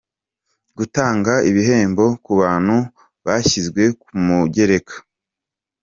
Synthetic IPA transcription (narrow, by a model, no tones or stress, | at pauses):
ɡutaːŋɡaiβiɦe̞ːmbo̞kuβaːn̥hu | βaçizɡwe̞kumuɟe̞ɾe̞kʰḁ